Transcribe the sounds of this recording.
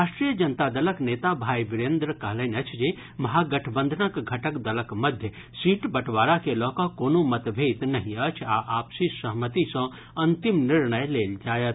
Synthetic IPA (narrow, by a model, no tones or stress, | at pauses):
ɾaːʃʈɾijəd͡ʒənt̪ad̪ələkneːt̪abʱaːibɪɾẽːnd̪ɾəkɐɦlenɐt͡ʃʰd͡ʒe | mɐɦaɡɐʈʰbə̃nd̪ʱənəkɡʱɐʈəkd̪ɐləkməd̪ʱjə | siːʈbɐʈʰʋaːɾakelɔːkɔkoːnomɐt̪bʱet̪nɐɦĩət͡ʃʰaʔaːpsisəɦmət̪isə̃ | ɐnt̪imnɪɾɳəjleːld͡ʒaːjət̪